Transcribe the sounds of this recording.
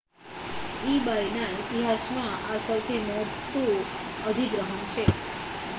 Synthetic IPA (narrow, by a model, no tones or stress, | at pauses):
ibajnait̪iɦasmãasəwt̪ʰimɔt̪ũəd̪ʱiɡɾəɦənt͡ʃʰe